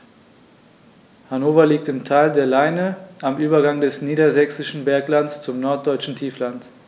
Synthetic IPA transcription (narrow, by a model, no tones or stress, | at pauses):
hanoːfɐliːk̚tɪmtʰaɪldeːɐlaɪnəʔamʔyːbɐɡaŋdɛsniːdɐzɛksɪʃn̩bɛɐklanst͡sʊmnɔɐt̚d̥ɔʏt͡ʃn̩tʰiːflant